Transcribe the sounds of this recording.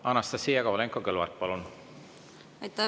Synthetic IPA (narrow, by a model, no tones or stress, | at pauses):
ɑnːɑst̪ɑsiːjɑɡɑvɑleŋkːokelɑ̰rt̪̚pɑlun | ɑjt̪ːɑ